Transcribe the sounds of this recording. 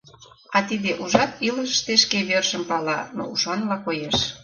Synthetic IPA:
ɑt̪id̪eʔuʒɑt̪iləʃə̥ʃt̪eʃkeβørʃəmpɑlɑno̰uʃɑnlɑkojeʃ

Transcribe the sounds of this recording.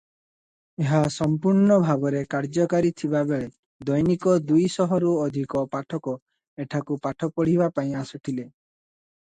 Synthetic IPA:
eɦasɔmpuɾɳɔbʱabɔɾekaɾd͡ʒɔkaɾit̪ʰibabeɭe | d̪ɔjnikɔd̪ujsɔɦɔɾuɔd̪ʱikɔpaʈʰɔkɔ | eʈʰakupaʈʰɔpɔɽ̤ibapaĩasuʈʰile

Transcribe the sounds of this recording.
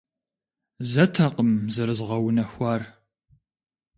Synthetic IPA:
zɐtʰɐqəmzɨɾɨzʁɐwnɐxʷɑːr

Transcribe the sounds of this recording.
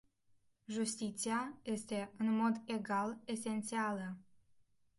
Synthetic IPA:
ʒust̪it̪siaje̞st̪e̞ɨnmo̞d̪e̞ɡale̞se̞nt̪sialə

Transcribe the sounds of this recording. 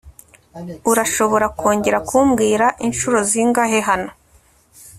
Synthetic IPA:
uɾaʃo̞βo̞ɾakʰo̞ːɲɟe̞ɾakuːmɡiːɾaʔinʃuɾo̞ziŋɡaɦeɦano̞

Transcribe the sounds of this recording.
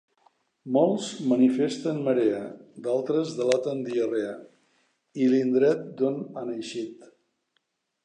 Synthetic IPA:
molˠzmənifest̪ənməɾeəd̪alˠt̪ɾəzðəlat̪ənd̪iərea | ilind̪ɾɛt̪̚d̪onanəjʃit̪

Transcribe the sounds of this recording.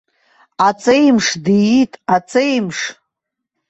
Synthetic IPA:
at͡sʼejmʂdijitʼat͡sʼejmʂ

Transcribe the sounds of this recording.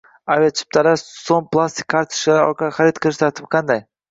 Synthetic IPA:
aviat͡ʃʰɪ̥p̚t̪ʰalasoŋplˠast̪ɪ̥kʲʰːaɾt̪ʰʊ̥ʃlaɾɒ̰ɾqaχaɾit̪̚qʰɨlˠɪʃt̪ʰaɾt̪ʰɪ̥p̚qʰɑnd̪aj

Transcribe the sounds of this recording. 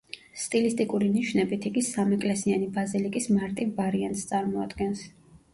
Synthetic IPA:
st̪ʼilist̪ʼikʼuɾiniʃnɛbit̪ʰiɡisamɛkʼlɛsianibazilikʼismaɾt̪ʼivvaɾiant̪ʼst̪sʼaɾmɔa̰d̪ɡɛns

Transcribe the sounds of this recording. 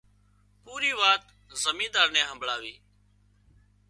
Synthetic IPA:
puːɾiːʋaːt̪ | zəmĩːd̪aːɾnẽːɦəmbɭaːʋiː

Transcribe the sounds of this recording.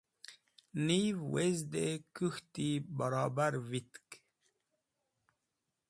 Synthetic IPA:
nivwezd̪ekuxt̪ibaɾɑːbaɾvit̪k

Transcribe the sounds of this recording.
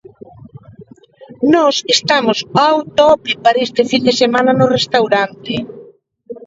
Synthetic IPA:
nɔsest̪amʊsawt̪ɔpipaɾest̪ɪfind̪esemãnɐnʊrest̪awɾant̪ɪ

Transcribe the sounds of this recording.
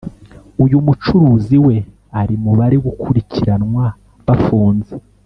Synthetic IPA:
ujumut͡ʃuɾuːziwe̞ | aɾimuβaɾeɡukʰuɾicʰiɾanŋwa | βafuːnze

